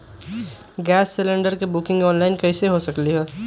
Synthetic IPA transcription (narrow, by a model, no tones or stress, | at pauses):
ɡɛːsːɪlɪ̃ɳɖəɾkebʊkɪ̃ŋɡɔːnlaːɪnkɛseɦosɐkliɦɛː